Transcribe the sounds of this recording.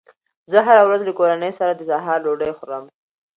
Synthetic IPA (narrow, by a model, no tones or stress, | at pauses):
zəɦaɾawɾazlakoɾanəjsaɾad̪əsaɦɑɾloɖəjxʊɾəm